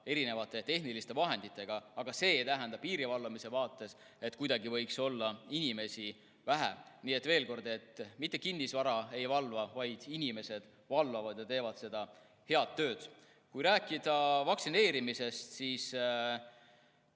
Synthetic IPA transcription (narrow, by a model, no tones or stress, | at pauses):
e̞ɾine̞vɑt̪ːˑe̞t̪e̞ɦnilist̪e̞vɑɦe̞nd̪̥it̪ːˑe̞ɡ̥ɑɑɡ̥ɑse̞ːt̪æɦend̪ɑpiːɾivɑlvɑmise̞vɑːt̪ːˑe̞s | e̞t̪ːkujd̪ɑɡivɤ̞jkso̞lːɑinime̞si | væɦæ̰niːe̞t̪ːve̞ːlko̞rd̪e̞t̪ːˑmit̪ːˑe̞kinːisvɑɾɑe̞jvɑlvɑvɑjd̪̥inime̞se̞d̪̥ | vɑlvɑvɑd̪̥jɑt̪e̞ːvɑd̪̥se̞d̪̥ɑ | he̞ɑt̪ːø̞ːd̪̥ | kujɾæːkːˑid̪̥ɑvɑksine̞ːɾimise̞st̪siːs